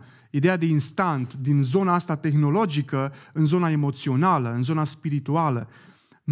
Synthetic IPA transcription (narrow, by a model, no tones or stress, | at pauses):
id̪e̞jad̪e̞inst̪ant̪d̪inzo̞naast̪at̪e̞xno̞lo̞d͡ʒikəɨnzo̞nae̞mo̞t̪sio̞naləɨnzo̞naspiɾit̪ualə | m